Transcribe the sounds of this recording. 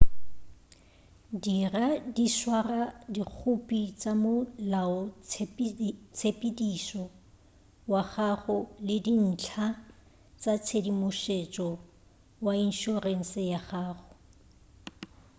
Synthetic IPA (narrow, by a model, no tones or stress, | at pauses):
diradiswaradik͡xʰʊpʼit͡sʼamʊlaɔt͡sʰpt͡sʰepʼidisɔ | waχaχʊlɪdin̩t͡ɬʰa | t͡sʼat͡sʰedimʊʃet͡ʃʼɔ | wain̩ʃureŋ̩sɪjaχaːχʊ